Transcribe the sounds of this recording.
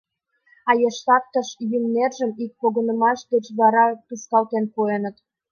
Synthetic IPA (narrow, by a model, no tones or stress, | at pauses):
ɑjeʃt̪ɑp̚t̪əʃjymnerʒəmik̚poɣə̆nə̆mɑʃd̪et͡ɕβɑɾɑt̪uskɑlt̪enpuenə̆t̪